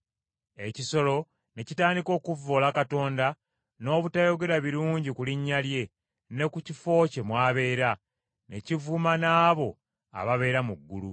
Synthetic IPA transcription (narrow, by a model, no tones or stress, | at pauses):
e̞ciso̞lo̞ | ne̞citaːndiko̞ːkuvːo̞ːlakato̞ːnda | no̞ːβutajo̞ɡe̞ɾaβiɾuːɲɟikuliɲːalje̞ | ne̞kucifo̞ːce̞mwaːβe̞ːɾa | ne̞̰civumanaːβo̞ | a̰βaβe̞ːɾamuɡːulṵ